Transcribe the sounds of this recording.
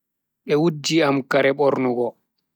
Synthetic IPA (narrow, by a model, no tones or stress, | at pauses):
ɛwudːiamkaɾɛɓɔɾnuɡɔ